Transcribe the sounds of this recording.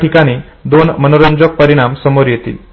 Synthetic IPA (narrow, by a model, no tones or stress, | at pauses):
ʈikaɽ̃iː | d̪onmənoɾəɲd͡ʑok̚pəɾiɽ̃amsəmoɾjet̪ḭːl